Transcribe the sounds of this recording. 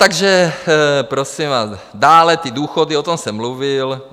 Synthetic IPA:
t̪aɡʒɛ | pɾo̞simvaːs | daːlɛt̪iduːxodiot̪o̞msɛmluvɪl

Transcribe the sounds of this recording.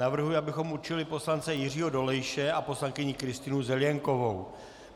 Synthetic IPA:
avr̩ɦujɪabɪxo̞muɾt͡ʃɪlɪpo̞slant͡sɛjɪr̝iːɦo̞do̞lɛjʃɛʔapo̞slaŋkɪɲɪkɾɪst̪ɪnuzɛljɛŋko̞vo̞w

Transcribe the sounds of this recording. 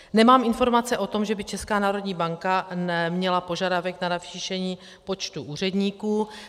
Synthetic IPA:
nɛmaːmɪnfo̞ɾmat͡sɛʔo̞t̪o̞mʒɛbɪt͡ʃɛskaːnaːɾo̞dɲiːbaŋkanɛmɲɛlapo̞ʒadavɛknanafʃiːʃɛɲiː | po̞t͡ʃt̪uʔuːr̝ɛdɲiːkuː

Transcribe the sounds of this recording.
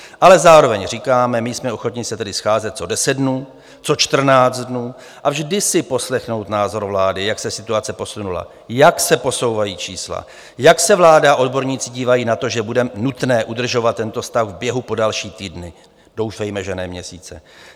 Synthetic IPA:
ʔalɛzaːɾo̞vɛɲr̝iːkaːmɛmɪjsmɛo̞xo̞t̪ɲɪsɛt̪ɛdɪsxaːzɛt̪̚t͡so̞dɛsɛddnuː | t͡so̞t͡ʃt̪r̩naːd͡zt̪dnuː | ʔavʒdɪsɪpo̞slɛxno̞wt̪naːzo̞ɾvlaːdɪjaksɛsɪt̪uat͡sɛpo̞sunula̰ | jaksɛpo̞so̞wvajiːt͡ʃiːsla̰ | jaksɛvlaːdaaʔo̞dbo̞ɾɲiːt͡sɪɟiːvajiːnat̪o̞ʒɛbudɛnut̪nɛːʔudr̩ʒo̞vat̪̚ːɛnt̪o̞st̪axvbjɛɦupo̞dalʃiːt̪iːdnɪ | d̥o̞wfɛjmɛʒɛnɛːmɲɛsiːt͡sɛ̰

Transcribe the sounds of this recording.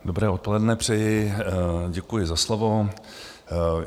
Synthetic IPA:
dobɾɛːo̞t̪̚po̞lɛdnɛpr̝̥ɛjɪ | ɟɛkujɪzaslovo̞

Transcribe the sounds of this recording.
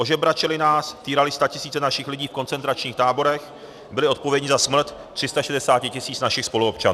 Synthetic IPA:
ʔo̞ʒɛbɾat͡ʃɛlɪnaːst̪iːɾalɪst̪acɪsiːt͡sɛnaʃɪxlɪɟiːfko̞nt͡sɛnt̪ɾat͡ʃɲiːxt̪aːbo̞ɾɛx | bɪlɪo̞t̪̚povjɛɲɪzasmɾ̩t̪t̪ːr̝̥ɪst̪aʃɛdɛsaːcɪcɪsiːt͡snaʃɪxspo̞luop̚t͡ʃan

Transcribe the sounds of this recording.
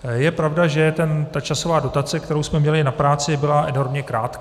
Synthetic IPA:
jɛpɾavdaʒɛt̪ɛnt̪at͡ʃaso̞vaːdo̞t̪at͡sɛk̚t̪ɛɾowsmɛmɲɛlɪnapɾaːt͡sɪbɪlaʔɛno̞ɾmɲɛkɾaːt̪k

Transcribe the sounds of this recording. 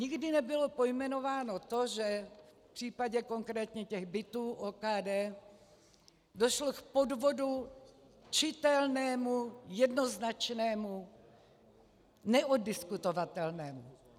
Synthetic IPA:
ɲɪɡdɪnɛbɪlopojmɛno̞vaːno̞t̪o̞ʒɛf | pr̝̥iːpaɟɛko̞ŋkɾɛːt̪ɲɛcɛɣbɪt̪uːʔoːkaːdɛː | do̞ʃlokpo̞dvo̞du | t͡ʃɪt̪ɛlnɛːmujɛdno̞znat͡ʃnɛːmu | nɛʔodɪskut̪ovat̪ɛlnɛːmu

